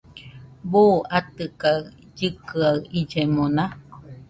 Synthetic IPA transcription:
buːat̪ɯka | d͡ʒɨkɯaɯʔid͡ʒemonã

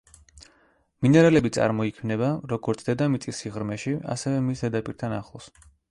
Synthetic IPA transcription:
minɛɾalɛbit̪sʼa̰ɾmɔikʰmnɛbaɾɔɡɔɾt̪sʰd̪ɛd̪amit̪sʼisiʁɾmɛʃia̰sɛvɛmisɛd̪apʼiɾt̪ʰanaχlˠɔs

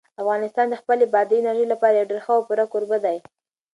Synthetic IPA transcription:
afɣɑnɪst̪ɑnd̪əxpəlebɑd̪ənaɾəjlapɑɾajeɖeɾxəawpuɾakoɾbəd̪aj

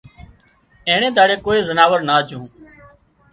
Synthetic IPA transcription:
ẽːɳ̃ẽːd̪aːɽeːkoːeːzənaːʋəɾnaːd͡ʒʱũː

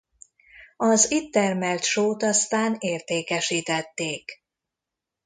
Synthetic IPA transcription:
ɒzit̪ːɛrmɛlt̪ʃoːt̪ɒst̪aːneːrt̪eːkɛʃiːt̪ɛt̪ːeːk

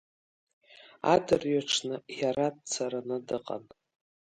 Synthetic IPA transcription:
a̰dɨrɥaʈ͡ʂʰnɨjaɾat̚t͡sʰaɾanɨdɨqʼa̰n

